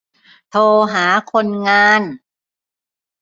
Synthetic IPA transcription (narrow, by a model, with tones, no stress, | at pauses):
t̪ʰoː˧ɦaː˩˦kʰo˧nŋaː˧˥n